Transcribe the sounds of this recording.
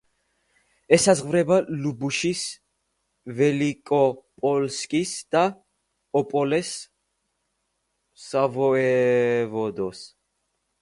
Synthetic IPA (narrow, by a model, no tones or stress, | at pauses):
ɛsazʁvɾɛbalubuʃis | vɛlikʼɔpʼɔlskʼisd̪̥a | ɔpʼɔlɛs | avɔɛvɔd̪ɔs